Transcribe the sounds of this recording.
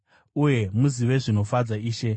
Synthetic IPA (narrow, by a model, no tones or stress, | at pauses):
uje̞muziʋe̞ʐino̞fad͡zaiːʃe̞